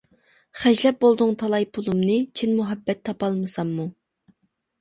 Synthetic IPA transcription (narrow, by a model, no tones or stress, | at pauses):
χæʒlɛp̚bolˠd̪ʊŋt̪ʰɑlˠɑjpʰulˠumnɨt͡ʃʰinmuɦɛbːɛt̪ʰːɑpɑlˠmɨsɑmːu